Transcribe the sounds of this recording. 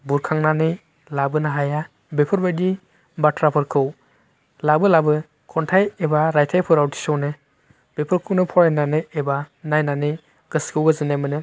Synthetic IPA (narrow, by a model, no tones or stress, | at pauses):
buɾkʰaŋnanɯj | labɯnaɦaja | bepʰɯɾbajdi | batʰɾapʰɯɾkʰɯw | labɯlabɯ | kʰɔntʰajebaɾajtʰajpʰɯɾawtʰi̥sɔwnɯ | b̥epʰɯɾkʰɯwnɯpʰɔjananɯebanajnanɯj | ɡ̥ɯskʰɯwɡɯzɯnamɯnɯ